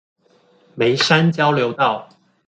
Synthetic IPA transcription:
me˨˦ɪʂa˦nt͡ɕjɑ˥ʊljo˨˧˥ʊt̪ɑ˥˨ʊ

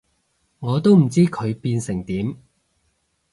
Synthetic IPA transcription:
ŋɔː˨˧t̪o˥wm̩˨˩t͡siː˥kʰɵ˨˧ɥpiː˧nsɪ˨˩ŋt̪iː˨˥m

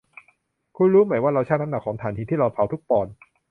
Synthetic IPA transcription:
kʰu˧nɾuː˦˥ma˩˦jwaː˥˩ɾa˧wt͡ɕʰaː˥˩na˦˥na˨˩kʰːɔː˩˦ŋt̪ʰaː˩˦nt̪iː˧t̪ʰiː˥˩ɾa˧wpʰa˨˩˦wt̪ʰu˦˥k̚pɔː˨˩n

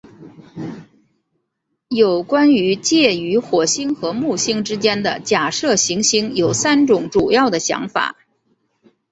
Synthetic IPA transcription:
jo˨˩ʊkwa˥ny˧˥t͡ɕjɛ˥˩y˧˥xwɔ˨˩ɕi˥ŋxɤ˧˥mu˥˩ɕi˥ŋʈ͡ʂɻ̩˥t͡ɕjɛ˥nd̪ə˨t͡ɕja˨˩ʂɤ˥˩ɕi˧˥ŋɕi˥ŋjo˨˩ʊsa˥nʈ͡ʂʊ˨˩˥ŋʈ͡ʂu˨˩jɑ˥˩ʊd̪ə˩ɕjɑ̰˧˥ŋfa̰˨˩˦

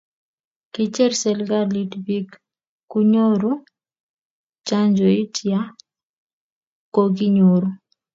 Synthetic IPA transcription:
ki˦t͡ʃɛ˦ɾsɛ˨lɡa˦litbi˦k | ku˦ɲo˦ɾu˦ | t͡ʃa˦ɲd͡ʒo˨i˦tja˦ | koɡi˦ɲoɾu˦

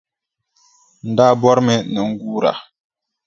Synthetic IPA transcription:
n̩˨da˦bɔ˦ɾmɛ˨nɛ˨ŋ̩˦ɡu˦ɾa̰˨

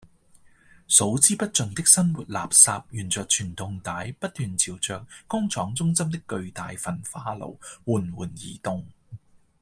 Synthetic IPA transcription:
so˨˥wt͡siː˥pɐ˥t̚t͡sɵ˨nt̪ɪ˥k̚sɐ˥nwu˨t̚la̰ː˨p̚saː˧p̚jyː˨˩nt͡sœː˨k̚t͡ʃʰyː˨˩nt̪ʊ˨˧ŋt̪aː˨˥jpɐ˥t̚t̪yː˨nt͡sʰiː˨˩wt͡sœː˨k̚ːʊ˥ŋt͡sʰɔː˨˥ŋt͡sʊ˥ŋsɐ˥mt̪ɪ˥kːɵ˧ɥt̪aː˨jfɐ˨˩nfaː˧lo̰˨˩wwuː˨˩nwuː˨˩njiː˨˩t̪ʊ˧ŋ

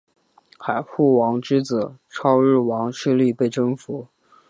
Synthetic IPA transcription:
xa˨˩ɪxu˥˩wɑ˧˥ŋʈ͡ʂɻ̩˥t͡s̩˨˩˦ʈ͡ʂʰɑ˥ʊɻɻ̩˥˩wɑ˧˥ŋʂɻ̩˥˧li˥˧pe˥˩ɪʈ͡ʂɤ˥ŋfu˧˥

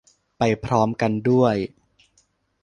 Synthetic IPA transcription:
pa˧jpʰɾɔː˦˥mka˧ndu˥˩əj

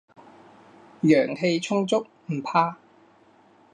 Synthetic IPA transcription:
jœː˨˩ŋɦe˧jt͡ʃʰʊ˥ŋt͡sʊ˥k̚m̩˨˩pʰaː˧

